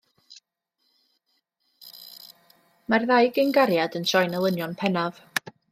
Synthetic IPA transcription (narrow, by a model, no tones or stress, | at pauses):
marðajɡənɡaɾjadənʃɔjnəlˠənjɔnpʰɛnav